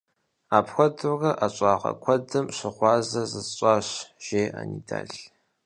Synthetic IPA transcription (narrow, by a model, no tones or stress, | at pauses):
aːpʰxʷɔdɨrɐʔaɕʼɑːʁɐ̰kʷʰɔdɨmɕɪχʷɑːzɐzɨɕʷʼɑːɕʒ̥eːa̰nida̰ːɬ